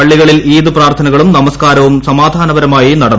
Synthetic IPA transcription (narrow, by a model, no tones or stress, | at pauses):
ɐɭːiɣɐɭiliːðɨpraːrt̪ʰɐnɐɣɐɭumnɐmɐskaːɾɐʋumsɐmaːd̪ʱaːnɐʋɐɾɐmaːjinɐɽɐnː